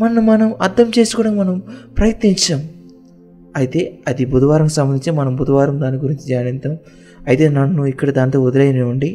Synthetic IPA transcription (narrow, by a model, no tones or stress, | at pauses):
mɐnːɐmɐnɐmɐɾd̪ɐmt͡ʃe̞ːsukuːɽaːnmɐnɐmpɾɐjɐt̪niɲt͡ʃaːm | ɐjit̪e̞ːɐd̪ibʱud̪ɐʋaːɾɐŋkusɐmbɐnd̪iɲt͡ʃemɐnɐmbʱud̪ɐʋaːɾɐmd̪aːniɡuɾiɲt͡ʃid͡ʒaːnint̪ɐm | ɐjt̪e̞ːnɐnːuikːɐɽɐd̪aːnt̪oːud̪ɐɾɐjɐneuɳɖi